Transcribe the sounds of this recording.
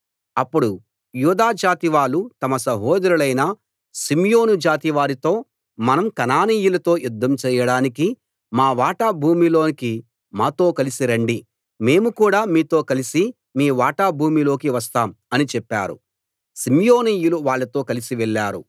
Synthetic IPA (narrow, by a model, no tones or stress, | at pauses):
ɐpːuɽu | juːd̪aːd͡ʒaːt̪iʋaːɭut̪ɐmɐsɐɦɔːd̪ɐɾulɐjnaː | simjo̞ːnud͡ʒaːt̪iʋaːɾit̪o̞ː | mɐnɐmkɐnaːniːjulɐt̪o̞ːjud̪ːɐmt͡ʃɛːjɐɽaːniki | maːʋaːʈaːbʱuːmilo̞ːniki | maːt̪o̞ːkɐlisiɾɐɳɖi | me̞ːmukuːɽaːmiːt̪o̞ːkɐlisi | miːʋaːʈaːbʱuːmilo̞ːkiʋɐs̬t̪aːmɐnit͡ʃɛpːaːɾṵ | simjo̞ːniːjuluʋaːɭːɐt̪o̞ːkɐlisiʋɛɭːaːɾṵ